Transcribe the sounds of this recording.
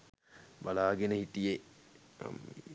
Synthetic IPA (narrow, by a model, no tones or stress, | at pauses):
balaːɡenəhitijḛ